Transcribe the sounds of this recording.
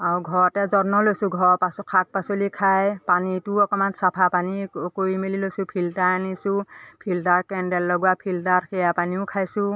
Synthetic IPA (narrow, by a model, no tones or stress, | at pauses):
aɹɡʱɔɹɔtɛzɔnɔlojsʊ̃ɡʱɔɹpaskʰak̚pasolikʰajpanituɔkɔmansapʰapanikoɹimililojsũpʰiltaanisʊ̃pʰiltaɹkɛndɛlːɔɡuwapʰiltaɹxejapaniʊ̃kʰajsʊ̃